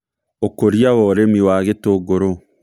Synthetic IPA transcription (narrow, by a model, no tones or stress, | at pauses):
okoɾjawɔɾemiwaɣetoɡoɾo